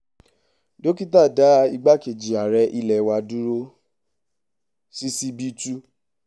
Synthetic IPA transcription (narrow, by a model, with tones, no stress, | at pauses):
do˦ki˦ta˦˨da˨˦˧i˧ɡ͡ba˦ke˨d͡ʒi˨a˨ɾɛ˧ʔi˧lɛ˨wa˧du˦ɾo˦ | si˦si˦bi˦tu˦